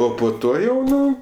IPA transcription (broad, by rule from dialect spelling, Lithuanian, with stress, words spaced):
ˈoː poː ˈtoː jɛʊ ˈnʊ